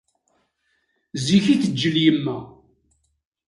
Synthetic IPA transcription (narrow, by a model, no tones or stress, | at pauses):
ziçiθəd͡ʒːəljəmːæ